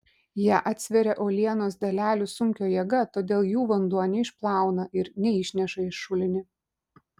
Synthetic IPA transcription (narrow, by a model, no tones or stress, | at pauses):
jiɛʔɑːt̪ʲsʲʋʲɛɾʲɛʔoːlʲiɛnoːsd̪ɐlʲæːlʲʊːsʊŋʲkʲoːjɛɡɐt̪oːd̪ʲeːlˠjuːʋɐnd̪uɔnʲɛɪʃplˠɑˑʊnɐʔɪɾnʲɛɪʃʲnʲɛʃɐɪʃʃʊlʲɪnʲɪ